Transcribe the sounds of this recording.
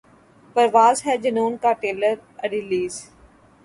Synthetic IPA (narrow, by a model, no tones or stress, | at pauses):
pəɾʋaːzɦɛːd͡ʒənuːnkaːʈeːləɾəɾiliːz